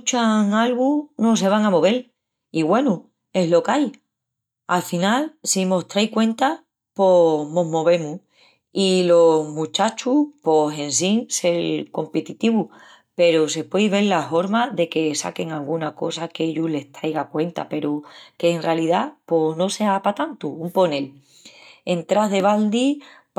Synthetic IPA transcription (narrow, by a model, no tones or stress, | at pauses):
ut͡ʃaŋalɣuno̞s̬e̞β̞aŋamo̞β̞e̞l | iɣwe̞nu | e̞ɦlo̞kaj | alfinalsimo̞ht̪ɾejkwe̞nt̪a | pomo̞ɦmo̞βe̞mu | ilo̞mut͡ʃat͡ʃupose̞nsiŋse̞ɾko̞mpet̪it̪iβu | pe̞ɾuse̞pwejβe̞ɾlaɦo̞ɾmaðe̞ke̞sa̰ke̞ŋalɣunako̞sakeʎuɦle̞ht̪ɾajɣakwe̞nt̪a̰pe̞ɾukeːnrealiðapo̞no̞seapat̪ant̪uumpo̞nel | e̞nt̪ɾaɦðe̞βald̪i